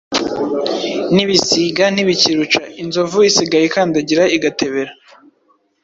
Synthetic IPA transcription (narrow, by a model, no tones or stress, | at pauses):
niβisiɡaniβiciɾut͡ʃa̰inzo̞vuisiɡajekaːndaɟiɾaiɡate̞βe̞ɾa